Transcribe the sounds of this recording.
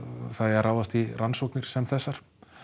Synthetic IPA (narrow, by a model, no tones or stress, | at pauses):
θaðraːwðast̪iransowknɪɾ̥sɛmθɛsːaɾ̥